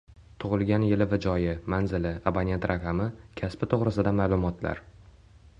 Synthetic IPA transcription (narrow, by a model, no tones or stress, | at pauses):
t̪ʰʊʁɨlˠɡʲanjɪlɪvad͡ʒɒjɪmanzɪlɪabanjent̪ɾʔaqʰɑmɪkʲʰaspɪt̪ʰoʁɾɪsɪd̪amaːlˠʊmɒt̪la̰ɾ